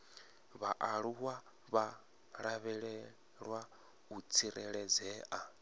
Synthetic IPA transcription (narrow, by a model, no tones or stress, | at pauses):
βaʔaɺuwa | βa | ɺaβɛɺɛ | ɺwa | ut͡sʰiɾɛɺɛd͡zɛːʔa